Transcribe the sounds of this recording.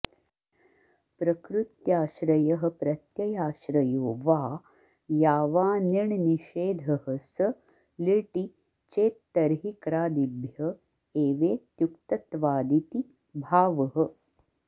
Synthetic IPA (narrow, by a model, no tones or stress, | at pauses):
pɾɐkɾut̪jaːʃɾɐjɐɦə̆pɾɐt̪jɐjaːʃɾɐjoːʋaː | jaːʋaːnɐɳniʃeːd̪ʱɐhəsə | liʈi | t͡ʃeːt̪ːɐɾɦikɾaːd̪ibʱjɐ | eːʋeːt̪jukt̪ɐt̪ʋaːd̪it̪i | bʱaːʋɐɦə̆